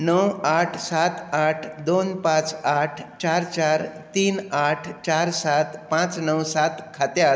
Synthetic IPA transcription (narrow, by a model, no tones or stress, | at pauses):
nəwaʈʰsat̪aʈʰd̪onpãt͡saʈʰt͡ɕaɾt͡ɕaɾt̪iːnaʈʰt͡ɕaɾsat̪pãt͡snəwsat̪kʰat̪ja